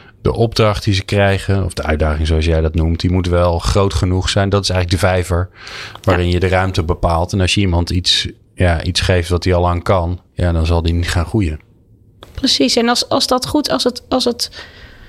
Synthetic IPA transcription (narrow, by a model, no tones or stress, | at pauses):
d̥ə̰ʔɔb̚drɑχt̚dizəkrɛjχənɔ̰vdəœ̰ɥdaːχɪŋzoɑs̬jɛjdɑtnumtdimutʋɛlˠχrowtχənuχsɛjndɑtɪ̥sɛjχələk̚ɡdəvɛjvəɹʋaːrɪnjədərœɥmtəbəpaːlˠtɛnɑlˠsjəimɑntits | jaʔitsχejftʋɑt̚diɑlˠaːŋkɑnja̰ːdɑnzɑlˠdinitχaːnχrujən | prəsisɛnɑlˠsɑlˠszdɑtχutɑlˠsətɑlˠsət